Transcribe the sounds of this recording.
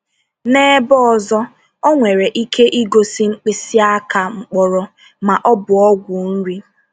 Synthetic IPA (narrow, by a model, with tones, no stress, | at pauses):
neː˦bɔ˦ɔ˨zɔ˦ | o˦ŋʷe˨ɾe˨ʔi˦kʰe˦ʔi˦ɡo˨si˦ŋ͡m̩˦k͡pɪ˨si˦a˦ka˨ŋ͡m̩˨k͡pɔ˨ɾɔ˦ | ma˨ʔɔ˦bʊ˨ɔ˦ɡʷu˨n̩˦ɾi˦